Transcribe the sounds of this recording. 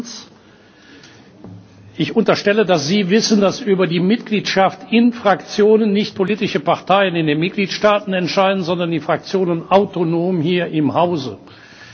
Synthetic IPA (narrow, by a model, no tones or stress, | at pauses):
s | ʔɪçʊntɐʃtɛlədasz̥iːvɪsn̩dasʔyːbɐdiːmɪtɡ̥liːtʃaftɪnfʁ̥akt͡sjoːnənːɪçt̚pʰoliːtɪʃəpaʁtʰaɪənɪndeːnmɪt̚ɡ̥liːtʃtaːtn̩ɛntʃaɪdən̩zɔndɐndiːfʁ̥ak̚t͡sjoːnənaʊtonoːmhiːɐʔɪmhaʊzə̰